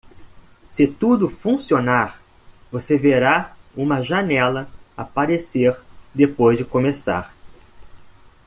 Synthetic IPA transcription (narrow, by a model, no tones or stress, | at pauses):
sɪt̪ud̪ʊfũsionaɾ | voseveɾaũmɐʒanɛlɐapaɾeseɾd̪epojzd͡ʒɪkomesa̰ɾ